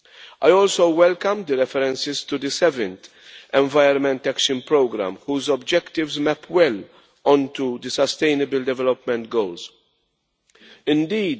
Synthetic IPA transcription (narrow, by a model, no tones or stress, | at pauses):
ʔajɔːlsowwɛlkɐ̃md̪əɾɛfɛɾɛ̃nsɪzt̪ud̪əsɛvɛ̃nt̪ | ɛ̃ɱvɐjɾɔnmɛ̃nt̪ɛkʃə̃npɾoːɡɾæ̰̃mhuːzɔbd͡ʒɛkt̪ɪvzmɛpʰwɛl | ɔ̃nt̪ud̪əsɐst̪eɪnɪbɪld̪ɛvɛlɔpmɛ̃nt̪ɡowlz | ɪ̃nd̪iːd̪